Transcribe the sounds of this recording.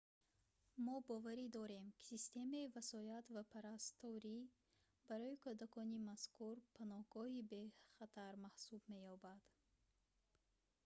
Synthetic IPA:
mɔbɔvaɾid̪ɔɾe̞mkʰi̥sist̪e̞maivasɔjat̪vapʰaɾast̪ɔɾi | baɾɔikʰud̪akʰɔnimaskuɾpʰanɔhɡɔhibe̞χat̪ʰaɾmahsubme̞jɔbad̪̥

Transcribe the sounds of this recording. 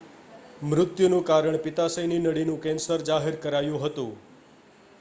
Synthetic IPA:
mɾʊt̪junũkaɾəɳpɪt̪asəjninəɽinũkɛ̃nsəɾd͡ʒaɦeɾkəɾajũɦət̪ũ

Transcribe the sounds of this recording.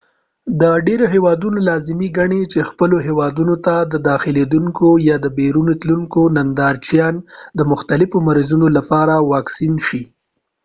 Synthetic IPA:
d̪əɖeɾoɦewɑd̪unolɑzɪmiɡaɳet͡ʃexpəloɦewɑd̪unot̪ad̪əd̪ɑxɪled̪uŋkojɑd̪əbeɾunot̪luŋkonand̪ɑɾt͡ʃjɑnd̪əmʊxt̪alɪfomaɾizunolapɑɾawɑksinʃi

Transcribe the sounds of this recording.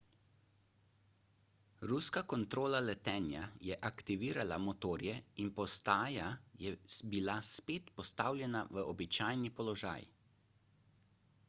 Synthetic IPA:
ɾuskakɔnt̪ɾoːlalɛt̪ɛːnja̰jɛʔakt̪iʋiːɾalamɔt̪oːɾjɛinpɔst̪aːjajɛbilaspeːt̪pɔst̪aːwlʲjɛnaʋəɔbit͡ʃaːjnipɔlɔʒa̰ːj

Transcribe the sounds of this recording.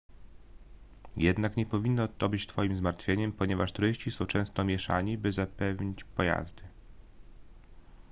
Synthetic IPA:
jɛd̪nakɲɛpɔvʲinːɔt̪ɔbɘt͡ɕt̪fɔjimzmaɾt̪fʲjeɲɛmpɔɲɛvaʂt̪uɾɘɕt͡ɕisɔ̃w̃t͡ʂɛ̃w̃st̪ɔmʲjɛʂa̰ɲibɘzapɛvɲit͡ɕpɔja̰zd̪ɘ

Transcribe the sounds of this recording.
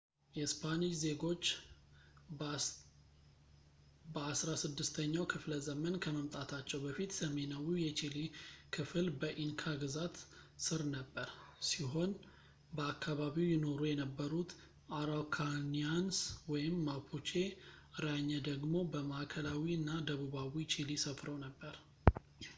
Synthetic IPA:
jɛspʰaniʃze̞ɡo̞t͡ʃː | bəasɾasɨd̪ːɨst̪ʰəɲːawkʰɨfləzəmənkʰəməmt̪ʼat̪ʰat͡ʃːɛwbəfit̪səme̞nawijɛt͡ʃilikʰɨflbəʔinkʰaɡɨzat̪sɨɾnəbːəɾsiɦo̞n | bəakːaβaβiwjɪno̞ɾujɛnəbːəɾut̪ | ʔaɾakʰanianswɔjɪmːapʰut͡ʃeɾaɲːɛd̪əɡmo̞bəmaʔakʰəlawiɨnːad̪əβuβawit͡ʃilisəfɾəwnəbːəɾ

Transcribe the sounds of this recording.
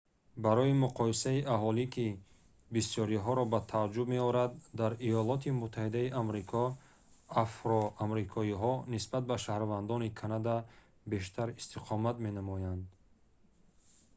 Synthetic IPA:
baɾɔimuqʰɔisaiʔaɦɔlikʰi | bisjɔɾiɦɔɾɔbat̪ʰad͡ʒubme̞ɔɾad̪̚ːaɾijɔlɔt̪ʰimut̪ʰːahid̪aiʔamɾikʰɔ | afɾɔamɾikʰɔiɦɔnisbat̪̚baʃahɾvand̪ɔnikʰanad̪a | be̞ʃ̬t̪ʰaɾist̪ʰiqʰɔmat̪me̞namɔjand̪

